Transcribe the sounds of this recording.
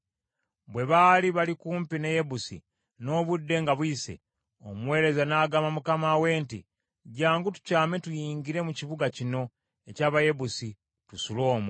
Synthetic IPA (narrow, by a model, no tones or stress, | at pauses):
bwe̞βaliβalikuːmpine̞je̞busḭ | no̞ːβudːe̞ŋɡaβwise̞̰ | o̰mwe̞ːɾe̞zanaːɡaːmamukamawe̞ːntḭ | ɟaːŋɡutu̥caːme̞tujiːɲɡiɾe̞muciβuɡacino̞ | e̞caːβajebusi | tusulo̞ːmw